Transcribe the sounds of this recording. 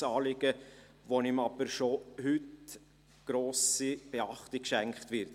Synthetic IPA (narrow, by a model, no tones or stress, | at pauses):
ɑːlɪɡ̥ə | ʋonɪmɑb̥əɾʃohʏt | ɡ̥ɾoːsib̥ɛɑχtikʃæŋkχtʋɪɾt